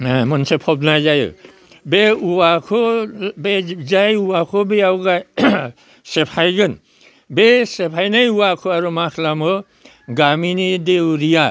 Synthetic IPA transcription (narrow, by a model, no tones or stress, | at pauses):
amɔnsepʰɔbnajzajɯ̰ | beuwakʰɔbezajuwakʰobeawɡa | sepʰajɡɯn | besepʰajnajuwakʰoaɾumakʰlamɯ | ɡaminidewɾija